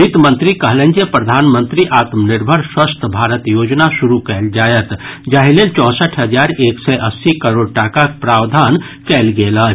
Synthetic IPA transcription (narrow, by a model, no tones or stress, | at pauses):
it̪mə̃nt̪ɾikɐɦlẽnd͡ʒepɾəd̪ʱaːnmə̃nt̪ɾiʔaːt̪mnɪɾbʱəɾswəst̪ʰbʱaːɾət̪joːd͡ʒnaʃʊɾukɛːld͡ʒaːjət̪d͡ʒaɦeleːlt͡ʃɔ̃ːsəʈʰɦəd͡ʒaːɾeːksɛʔɐsːikəɾoːɽ̚ʈaːkakpɾaːwd̪ʱaːn | kɛːlɡeːlaː